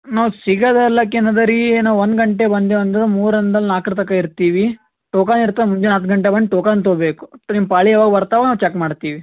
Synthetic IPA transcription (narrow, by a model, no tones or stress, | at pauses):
naːʋusiɡɐd̪ɐlːɐk̬enɐd̪ɐɾinaːʋond̪ɡɐɳʈebɐnd̪eɐnd̪id̪umuːɾɐnd̪ɐlnaːkɾt̪ɐkːaiɾt̪iːʋi | ʈoːkaniɾt̪ːamuɲd͡ʒenɐt̪ɡɐɳʈebɐnd̪ʈoːkaːnt̪̬oːbeːku̥nimpaːɭiaːʋaːɡɐbɐɾt̪aːʋanaːʋt͡ʃekmaːɽt̪iːʋi